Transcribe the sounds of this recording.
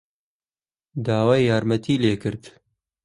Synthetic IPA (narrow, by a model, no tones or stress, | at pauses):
d̪aːwaːjjaːɾmɐt̪ʰiːleːkɨɾd̪